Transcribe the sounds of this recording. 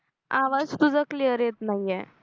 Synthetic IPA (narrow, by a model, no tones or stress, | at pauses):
a̰ʋad͡zp̪ud͡zəklijəɾet̪najɛ